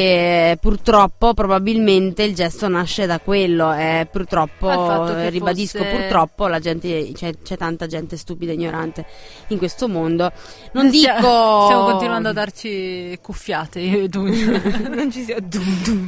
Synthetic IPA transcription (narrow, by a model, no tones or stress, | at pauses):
epurt̪ɾɔpːopɾobabilment̪eild͡ʒɛst̪onaʃːed̪akwelːoepurt̪ɾɔpːoaribad̪iskkopurt̪ɾɔpːolad͡ʒɛnt̪et͡ʃɛt͡ʃɛt̪ːant̪ad͡ʒɛnt̪est̪uːpid̪aiɲːoɾant̪e | iŋkwest̪omond̪o | nond̪iːkost̪jamokont̪inwand̪oad̪ːart͡ʃikufːjaːt̪ed̪unont͡ʃisid̪ut̪